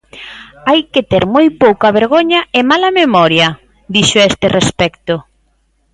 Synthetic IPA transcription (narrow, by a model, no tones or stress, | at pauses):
ajket̪eɾmojpowkɐβeɾɣoɲɐɪmalɐmemɔɾjɐ | d̪iʃʊest̪erespɛkt̪o